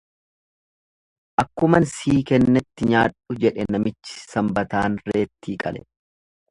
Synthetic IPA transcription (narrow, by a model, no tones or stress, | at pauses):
ʔɐkːʊmɐnsiːkɛnːɛt̪ːɪɲaːᶑʊd͡ʒɛᶑɛnɐmɪt͡ʃːɪ̥sɐmbɐt̪aːnre̞ːt̪ːiːkʼɐlɛ̰